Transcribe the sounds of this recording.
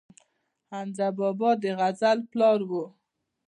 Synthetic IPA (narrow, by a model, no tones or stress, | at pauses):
hanzabɔbɔd̪əɣazalplɑɾwo